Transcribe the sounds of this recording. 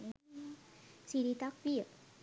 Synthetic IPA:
sidit̪ak̚pi

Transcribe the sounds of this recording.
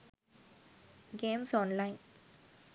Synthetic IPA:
ɡeːmsɔ̃ːnlaɪn

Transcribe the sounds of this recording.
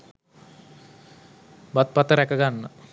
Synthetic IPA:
bat̪̚pat̪əɾɛkaɡanːa

